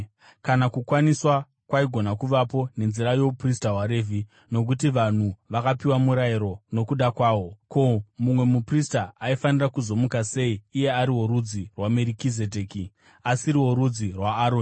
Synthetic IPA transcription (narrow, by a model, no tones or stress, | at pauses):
kanakukwaniswa | kwaiɡʱo̞nakuʋapo̞ne̞nziɾajo̞pristaɦwaɾe̞vi | no̞k̬utiʋan̤uʋakapiwamuɾaiɾo̞no̞kuɗakwaːwo̞ko̞mumwe̞mupristaaifanirakuzo̞mukase̞iːje̞aɾiwo̞ɾud͡zirwameɾikizedeːki | asiɾiwo̞ɾud͡zirwaːɾoːni